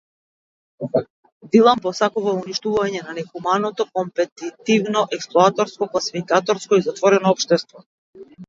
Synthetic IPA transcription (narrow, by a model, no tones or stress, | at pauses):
d̪ilˠampɔsakuvauniʃt̪uvaɲɛnanɛxumanɔt̪ɔkɔmpɛt̪it̪ivnɔʔɛksplˠɔat̪ɔɾskɔklˠasifikat̪ɔɾskɔizat̪vɔɾɛnɔɔpʃt̪ɛst̪vɔ